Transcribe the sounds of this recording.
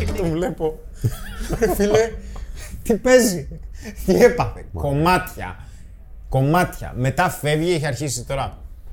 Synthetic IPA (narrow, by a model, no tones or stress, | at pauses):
t̪ovle̞po | file | t̪ipe̞zit̪iepɐfḛko̞mɐt̪çɐ̰ | ko̞mɐt̪çɐ̰me̞t̪ɐfe̞vʝiiçeɐɾçisit̪o̞ɾɐ